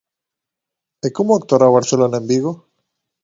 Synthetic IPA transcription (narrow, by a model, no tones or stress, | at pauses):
ekomoak̚t̪oɾaβaɾselonaembiɣo